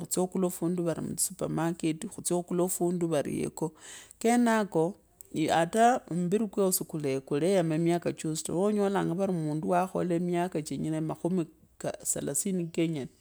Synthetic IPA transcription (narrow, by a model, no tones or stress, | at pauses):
xut͡sokulofuːnduβaɾḭmut͡ssupamaketixut͡sokulofuːnduβaɾḭjḛko̞ke̞nako̞ | ataomubiɾikweosikulekulejamemjakat͡ʃostaoɲo̞laːŋɡaβaɾimuːnduwaxo̞̰lemjakat͡ʃeɲinemaxumi | kasa̰lasinikeɲane